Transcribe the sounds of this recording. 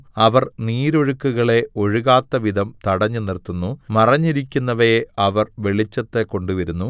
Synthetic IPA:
ɐʋɐrniːɾo̞ɻukːuɣɐɭe̞o̞ɻuɣaːt̪ːɐʋid̪ʱɐmt̪ɐɽɐɲːunirt̪unːumɐrɐɲːiɾikʲːunːɐʋɐjɐʋɐrʋe̞ɭit͡ɕːɐt̪ːekoɳɖuʋɐɾunːu

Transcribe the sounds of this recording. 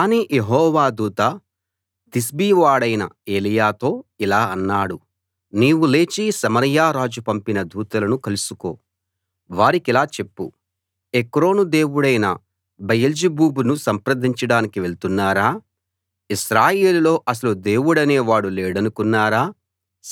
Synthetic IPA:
kaːniːjeɦɔːʋaːd̪uːt̪a | t̪isbiːʋaːɽɐjnɐ̰e̞ːlijaːt̪o̞ːilaːɐnːaːɽu | niːwule̞ːt͡ʃisɐmɐɾjaːɾaːd͡ʒupɐmpinɐd̪uːt̪ɐlɐnukɐlusuko̞̰ː | ʋaːɾikilaːt͡ʃe̞pːṵ | ekɾo̞ːnud̪e̞ːwuɽɐjnɐ̰ | bɐjɐld͡ʒibuːbunusɐmpɾɐd̪ʱiɲt͡ʃɐɽaːnikiʋe̞ɭt̪unːaːɾaː | iʃɾaːje̞ːlulo̞ːʔɐs̬ɐlud̪e̞ːwuɽɐne̞ːʋaːɽuleːɽɐnukunːaːɾaː

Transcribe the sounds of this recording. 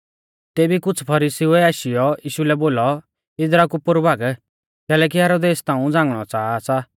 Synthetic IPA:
t̪eːbikʊt͡sʰpʰɐɾiːsiuɛaːʃijɔiːʃulɛboːlɔ | ɪd͡zɾakupʊɾbʱaːɡ | kɛːlɛk̬iɦɛːɾoːd̪eːst̪ãːũd͡zãːŋɡɽ̃ɔt͡saːsa

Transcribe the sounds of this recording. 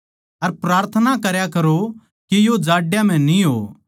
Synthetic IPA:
ɐɾpɾaːɾt̪ʰənakɐɾjakɐɾo | kijod͡ʒaːɖjãm̤ɛ̃nĩɦo̰ː

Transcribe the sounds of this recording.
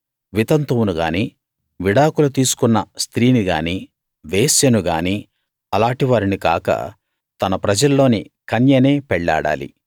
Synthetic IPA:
ʋit̪ɐnt̪uwnuɡa̰ːniː | ʋiɽaːkulut̪iːsu̥kunːɐst̪ɾiːniɡa̰ːniː | ʋeːsjɐnuɡaːniː | ɐlaːʈiʋaːɾinika̰ːkɐ̰ | t̪ɐnɐpɾɐd͡ʒɐlːo̞ːnikɐnjɐne̞ːpɛɭːa̰ːɽa̰ːlḭ

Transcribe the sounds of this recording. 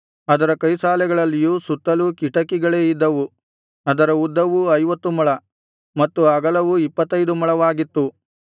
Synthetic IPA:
ɐd̪ɐɾɐkɐjsaːlɛɡɐɭɐlːijuːsut̪ːɐlukiʈɐkiɡɐɭe̞ːid̪ːɐʋu | ɐd̪ɐɾɐud̪ːɐʋuɐjʋɐt̪ːumɐɭɐ | mɐt̪ːuɐɡɐlɐʋuipːɐt̪ːɐjd̪umɐɭɐʋaːɡit̪ːu

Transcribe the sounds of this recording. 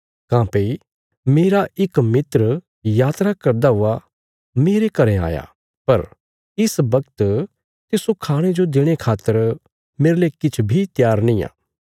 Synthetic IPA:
kãːpei | meːɾaʔɪkmɪt̪ɾ | jaːt̪ɾakɐɾd̪aɦʊa | meːɾekɐɾẽa̰ːja̰ | pɐɾ | ɪsbɐkt̪ | t̪ɪsokʰaːɽ̃ed͡ʒod̪ɪɽ̃ekʰaːt̪ːəɾ | meːɾlekɪt͡ʃʰbʱit̪jaːɾnĩːja̰ː

